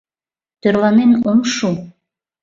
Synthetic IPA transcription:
t̪øɾlɑnenomʃu

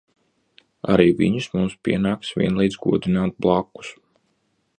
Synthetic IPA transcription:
a̰ɾiːvḭɲusmumspʲiɛnaːksvʲḭɛnlˠijd̪zɡuɔd̪inaːt̪̚blˠakːu̥s

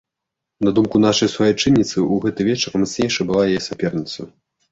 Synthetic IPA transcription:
nad̪umkunaʂɐjsvajɛjt͡ʂɨnʲːit̪sɨuɣɛt̪ɨvʲɛt͡ʂɐrmat̪snʲejʂɐbɨlˠajajɛsʲapʲɛrnʲit̪sɐ

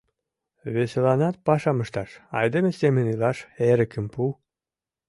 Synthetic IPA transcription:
βeselɑnɑt̪̚pɑʃɑməʃt̪ɑʃɑ̰jd̪emesemənylɑʃeɾə̆kə̆mpu

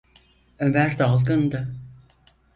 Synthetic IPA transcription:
ømæɾd̪alˠd̪ɯnd̪ɯ

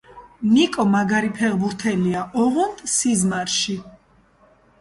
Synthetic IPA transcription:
nikʼɔmaɡaɾipʰɛʁbuɾt̪ʰɛliaʔɔʁund̪sizmaɾʃi

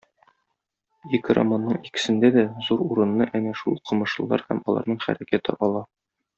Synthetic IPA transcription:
ikɾa̰manːɤɴikɘ̥̆sɘ̆nd̪æd̪æzuɾuɾɤ̆nːɤʔæŋæʃulˠqʰɤ̆mɤ̆ʃɤ̆lˠɑ̰ɾhæ̰mɒlˠɑ̰ɾnɤɴχæ̰ɾækæt̪ɘ̰ʔɒlˠɑ

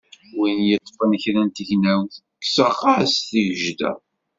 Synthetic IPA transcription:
winjət̪ˤːfənəçɾænt̪əʝnæwθ | ksəχɑsθiʝəʒd̪æ̰

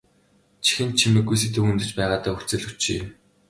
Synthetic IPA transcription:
t͡ɕʰi̥xɘ̆nt̪̚t͡ɕʰimɘ̆ɡːujs̬it̪ɘ̆xunt̪ɘ̆t͡ɕpæːʁaːt̪aːxut͡sɘ̆ɮut͡ɕḭ

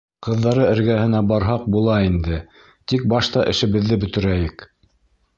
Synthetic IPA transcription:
qɤ̆ðːɑɾɤɘ̆ɾɡæhɘ̆næbɑɾɦɑq̚bulˠɑind̪ɘ | t̪ik̚bɑʃt̪ɑʔɘ̰̆ʃɘ̆βɘ̆ðːɘbɵ̆t̪ɘ̆ɾæjɘk

